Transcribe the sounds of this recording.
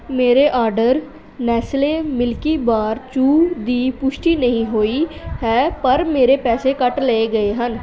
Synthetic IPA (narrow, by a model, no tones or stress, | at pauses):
meːɾeːʔaːɾɖəɾ | nɛːsleːmɪlkiːbaːɾt͡ʃuːd̪iːpʊʃʈiːnəɦĩːɦoːiːhɛːpəɾmeːɾeːpɛːseːkəʈleeːɡəeːɦən